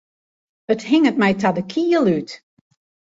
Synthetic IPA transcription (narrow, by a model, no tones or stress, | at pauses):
əthɪŋət̚mɛjtadəkʰiːəlˠyt